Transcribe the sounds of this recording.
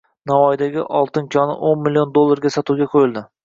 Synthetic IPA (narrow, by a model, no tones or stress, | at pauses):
navɒjd̪aɡʲɪʔɒlˠt̪ɪnkʲʰɒnɪ̰ʔonmilijond̪olˠːaɾɡʲasɒt̪ʰuɡʲaqʰojɪlˠd̪ɪ